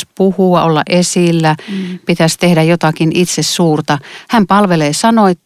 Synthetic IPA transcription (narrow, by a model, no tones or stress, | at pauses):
spuhuɑʔolːɑ̰ʔʔesilːæpit̪æst̪ehdæjot̪ɑkinit̪sessuːrt̪ɑhæmpɑlʋeleːsɑnoet̪